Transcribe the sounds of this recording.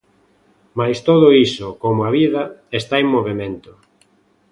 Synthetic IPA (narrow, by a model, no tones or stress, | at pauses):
majst̪oð̞ʊisʊkomoaβiðɐest̪aeŋmoβemẽnt̪ʊ